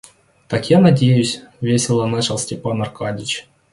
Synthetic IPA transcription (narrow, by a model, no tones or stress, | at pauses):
t̪ɑkʲjanadʲejusʲvʲesʲɪlˠɑnɑt͡ɕɪlˠsʲtʲepɑnɑrkɑdʲit͡ɕ